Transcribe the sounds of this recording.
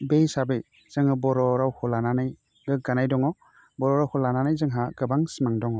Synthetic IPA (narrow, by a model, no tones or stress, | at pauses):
bejsabɯj | z̥ɯŋhɯbɔɾɔɾawhɔlananaj | ɡɯɡanajdɔŋɔ | bɔɾɔɾawhʰɔlananajzɯŋɦaɡɯbaŋsimaŋdɔŋɔ